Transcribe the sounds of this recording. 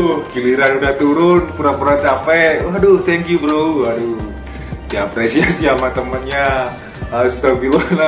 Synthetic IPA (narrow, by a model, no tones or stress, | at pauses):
kiliɾanudaht̪uɾʊnpuɾapuɾant͡ʃapɛadot̪ɛŋkjubɾouadu | japɾesiasiamat̪əmənɲa | haɾʊst̪okilona